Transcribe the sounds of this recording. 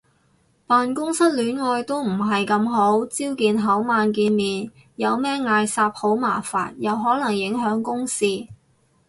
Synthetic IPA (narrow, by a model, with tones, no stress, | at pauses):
paː˨˧nkʊ˥ŋsɐ˥t̚lyː˨˥nŋɔː˧jt̪o˥wm̩˨˩ɦɐ˨jkɐ˧mɦo˨˥wt͡siː˥wkiː˨nɦɐ˨˥wmaː˧nk̬iː˧nmiː˨n | jɐ˨˧wmɛː˥ŋaː˧jsaː˧p̚ho˨˥wma̰ː˨˩fa̰ː˨n̚jɐ˨wɦɔː˨˥lɐ˨˩ŋjɪ˨˥ŋɦœː˨˥ŋkʊ˥ŋsiː˧